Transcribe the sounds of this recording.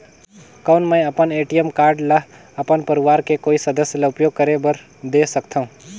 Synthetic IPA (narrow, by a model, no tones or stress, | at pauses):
kəːnmə̃jɐpəneːʈijəmkaːɾɖlɐ | ɐpənpəɾɪʋaːɾkekoːisəd̪əsjəlaʊpjoːɡ̚kəɾebəɾ | d̪esəkt̪ʰaɦũ